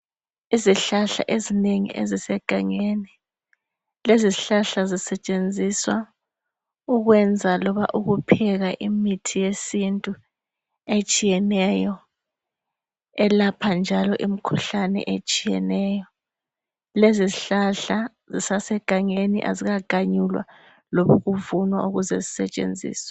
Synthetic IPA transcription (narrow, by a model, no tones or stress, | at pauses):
iziɬaɬa̰ʔezineŋḭʔḛzisɛɡ̥ʱaŋeːni | lezizɬaɬazisɛt͡ʃʼend͡zʱiswa | uɣwɛnd͡zʱalɔβaʔuɣupʰɛɣaʔimitʰijesintʼu | et͡ʃʼijɛnɛjɔ | ɛlapʰand͡ʒʱalɔʔim̩kʰuɬanɛ̰ʔet͡ʃʼijɛ̰nɛːjɔ | leziziɬaɬa | zisasɛɡ̥ʱaŋenḭʔa̰ziɣaɡ̥ʱaɲulwa̰ | loβuɣuvunwa̰ʔuɣuzɛzisɛ̰t͡ʃʼḛnd͡zʱḭːswḁ